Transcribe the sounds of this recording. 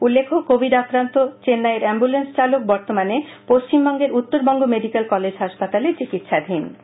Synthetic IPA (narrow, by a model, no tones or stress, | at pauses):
ulːekʰokobʱiɖakɾant̪ot͡ɕenːaeɾɛmbulenst͡ɕalok̚bɔɾt̪omane | poʃt͡ɕimbɔŋɡeɾut̪ːoɾbɔŋɡomeɖikelkɔled͡ʑɦaʃpat̪alet͡ɕikit̪ʃad̪ʱin